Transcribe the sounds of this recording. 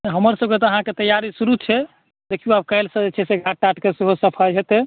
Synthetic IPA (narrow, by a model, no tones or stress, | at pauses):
ɦəməɾsəb̚ket̪ɔəɦãket̪əjaɾisuɾut͡ʃʰɛ | d̪ekʰijuab̚kaɪlsə̃d͡ʒet͡ʃʰɛseɡʱaʈːaʈkesiɦosəpʰajɦet̪e